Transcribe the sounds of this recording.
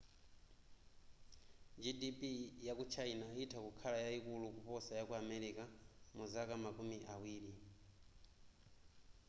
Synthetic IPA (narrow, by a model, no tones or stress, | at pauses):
d͡ʒidipijakut͡ʃʰainaitʰakukʰalajaikulukupɔsajakuamɛɾikamuzakamakumiʔawiːɾi